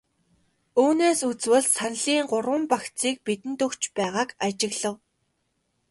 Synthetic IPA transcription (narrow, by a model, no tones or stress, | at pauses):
uːneːsut͡swɘ̆ɮsanɮiːŋɢʊɾwə̆mpaxt͡siːk̚pit̪ɘ̆nt̪ɵkt͡ɕpæːʁaːkat͡ɕɪ̆ɣɮə̆w